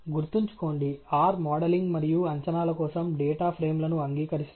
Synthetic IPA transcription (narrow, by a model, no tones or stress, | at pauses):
ɡuɾt̪iɲt͡ʃu̥ko̞ːɳɖiaːɾmaːɽɐliŋɡmɐɾijuɐɲt͡ʃɐnaːlɐkɔːsɐmɖɛːʈaːpʰɾeːmlɐnuɐŋɡiːkɐɾis